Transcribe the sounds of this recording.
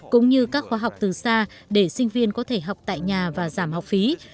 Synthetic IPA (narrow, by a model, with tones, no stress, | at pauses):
kʊ̰˧˥ŋ͡mɲɨ˧kaː˦˥k̚xwaː˧˩ɦa˨˩wk͡p̚t̪ɨ˨˩saː˧ | ɗe˧˩sï˧ŋ̟vi˧ənkɔ˨˦t̪ʰe˧˩ɦa˨˩wk͡p̚t̪a̰ː˧˨jɲaː˨˩vaː˨˩zaː˧˩mha˨˩wk͡p̚fi˨˦